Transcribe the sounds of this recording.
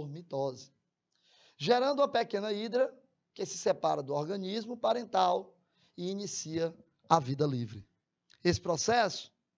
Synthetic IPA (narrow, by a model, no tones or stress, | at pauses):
oɾmit̪ɔzɐ̥ | ʒeɾɐ̃nd̪ʊũɐpekẽnɐid̪ɾɐ | kɪsɪ̥sɛpaɾɐd̪ʊɔɾɡɐ̃nizmʊpaɾẽnt̪aw | iinisiɐ | avid̪ɐlivɾɪ | esɪ̥pɾɔsɛsʊ̥